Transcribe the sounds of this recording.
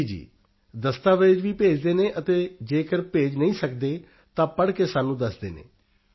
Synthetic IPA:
id͡ʒḭː | d̪əst̪aːʋɪd͡ʒʋiːpeːd͡ʒd̪eːnẽːʔət̪eːd͡ʒeːkəɾpeːd͡ʒnəĩːsəkd̪eː | t̪ãːpəɽkeːsaːnũːd̪əsd̪eːnḛː

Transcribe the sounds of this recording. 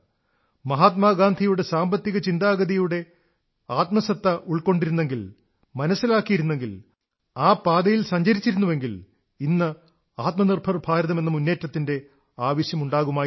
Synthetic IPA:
mɐɦaːt̪̚maːɡaːnd̪ʱijuɽe̞saːmbɐt̪ːiɣɐt͡ɕind̪aːɡɐðijuɽe̞ | aːt̪mɐsɐt̪ːɐʔuɭko̞ɳɖiɾunːe̞ŋɡil | mɐnɐsːilaːkːijiɾunːe̞ŋɡil | aːpaːd̪ɐjilsɐɲd͡ʑɐɾit͡ɕːiɾunːuʋe̞ŋɡil | inːɨ | aːt̪mɐnirbʱɐrbʱaːɾɐðɐme̞nːɨmunːe̞ːtːɐt̪ːinde̞ | aːʋɐɕjɐmuɳɖaːɣumaː

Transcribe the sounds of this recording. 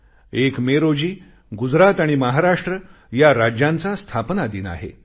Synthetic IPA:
ekmeɾod͡ʑiː | ɡud͡zɾat̪aɽ̃iməɦaɾaʂʈɾə | jaɾad͡ʑjãnt͡sast̪ʰapnad̪iːna̰ɦḛ

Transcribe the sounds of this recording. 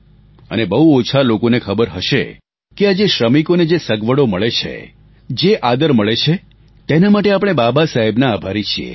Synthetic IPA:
ə̰nebəɦuot͡ʃʰalokonekʰəbəɾɦəʃḛ | kead͡ʒeʃɾəmikoned͡ʒesəɡʋəɽoməɭet͡ʃʰḛ | d͡ʒeʔad̪əɾməɭet͡ʃʰe | t̪enamaʈeapɽ̃ebabasaɦibnaːbʱaɾit͡ʃʰiḛ

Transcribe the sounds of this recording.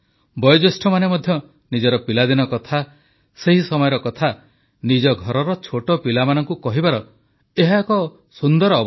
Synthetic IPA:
bɔjɔd͡ʒesʈʰɔmanemɔd̪ʱjɔ | nid͡ʒɔɾɔpilad̪inɔkɔt̪ʰa | seɦisɔmɔjɔɾɔkɔt̪ʰa | nid͡ʒɔɡʱɔɾɔɾɔt͡ʃʰoʈɔpilamanɔŋkukɔɦibaɾɔ | eɦakɔ | sund̪ɔɾɔːb

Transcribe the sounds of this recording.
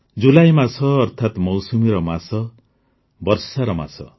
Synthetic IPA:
d͡ʒulajmasɔːɾt̪ʰat̪mɔwsumiɾɔmasɔ | bɔɾsaɾɔma̰sɔ̰

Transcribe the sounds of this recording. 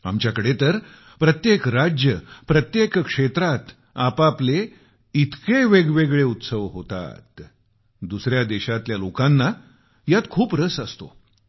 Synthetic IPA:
a̰mt͡ɕjakəɽet̪əɾ | pɾət̪jekɾad͡ʑjəpɾət̪jekkʂet̪ɾat̪ | apaple | it̪keʋeɡʋeɡɭeut̪səʋɦot̪a̰t̪ | d̪usɾjad̪eɕat̪ljalokãnːa | jat̪kʰuːpɾəsəst̪o̰

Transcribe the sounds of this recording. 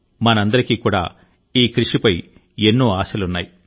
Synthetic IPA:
mɐnɐɐnd̪ɐɾikikuːɽa̰ː | iːkɾiʂipɐj | e̞nːoːaːʃɐlunːaːji

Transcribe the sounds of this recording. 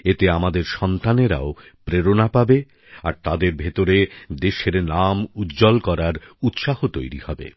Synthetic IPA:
et̪eamad̪eɾʃɔnt̪aneɾa̰o | pɾeɾonapabe | a̰ɾt̪ad̪eɾbʱet̪oɾed̪eʃeɾnamut̪d͡ʑɔlkɔɾaɾut̪ʃahot̪ojɾihɔbḛ

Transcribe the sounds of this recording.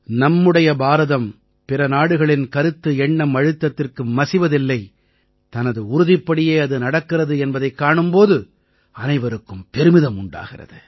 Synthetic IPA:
nɐmːɯɽɐjɐbaːɾɐðɐm | pɪrɐnaːɽɯɣɐɭɪnkɐɾɯt̪ːɯɛɳːɐmɐɻɯt̪ːɐt̪ːɪrkɯmːɐsɪʋɐðɪlːɐɪ | t̪ɐnɐðɯʊɾʊðɪpːɐɽɪjeːɐðɯnɐɽɐkːɪrɐðɯɛnbɐðɐɪkːaːɳɯmpoːðɯ | ɐnɐɪʋɐɾɯkːɯmpɛɾɯmɪðɐmʊɳɖa̰ːɣɪ̰rɐ̰ðɯ

